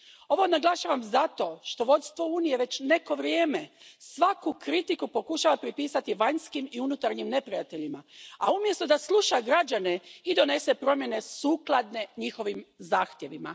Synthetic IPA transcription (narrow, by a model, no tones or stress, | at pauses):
o̞ʋo̞naɡlˠaʃaʋamzat̪o̞ʃt̪o̞ʋo̞t̪st̪ʋouːnije̞ʋe̞t͡ɕne̞ko̞ʋɾjeːme̞sʋakukɾit̪ikupo̞kuʃaːʋapɾipiːsat̪iʋaɲskimiunut̪aɾɲimne̞pɾijat̪e̞ʎimaa̰umje̞st̪od̪aslˠuʃaɡɾad͡ʑaneid̪o̞ne̞sepɾo̞mje̞ne̞suːklˠad̪ne̞ɲixo̞ʋimzaːxt̪je̞ʋima̰